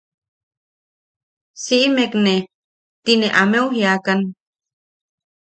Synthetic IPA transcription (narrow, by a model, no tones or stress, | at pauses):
siʔimekne | t̪ineʔameuɦjakan